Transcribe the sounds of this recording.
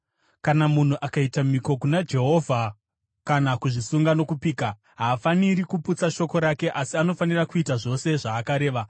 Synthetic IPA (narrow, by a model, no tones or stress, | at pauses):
kanamun̤uʔakaitamiko̞kunad͡ʒe̞ɦo̞ːvʱa | kanakuʐisuŋɡano̞kupiːka | ɦaːfaniɾikuput͡saʃo̞ko̞ɾake̞ʔasiano̞fanirakuitaʐo̞se̞ʐaːkaɾe̞ːʋa